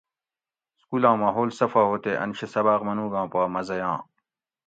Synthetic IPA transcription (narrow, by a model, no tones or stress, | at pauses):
skuːlãːmaːɦoːlsɐfaːɦoːt̪eʔɐ̰nɕesɐbaːqmɐnũːɡãːpaːmɐzɐjãː